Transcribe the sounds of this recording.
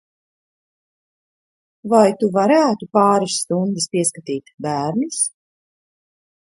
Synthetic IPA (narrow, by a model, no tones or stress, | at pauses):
vajt̪uvaɾæːt̪upɑːɾɨsːt̪und̪ɪspiɛskat̪iːt̪bæːɾnis